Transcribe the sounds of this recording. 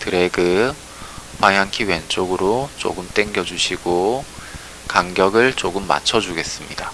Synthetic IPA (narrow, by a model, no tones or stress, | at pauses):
tɯɾe̞ɡɯ | pwaŋɦjaŋkʰiwent͡ɕ͈oɡɯɾot͡ɕ͈o̰ɡɯmt͈e̞ŋɡjʌd͡ʑuɕʰiɡo | kaŋɡjʌɡɯɭt͡ɕ͈oɡɯmːa̰t͡ɕʰʌd͡ʑuɡe̞s͈ɯmɲida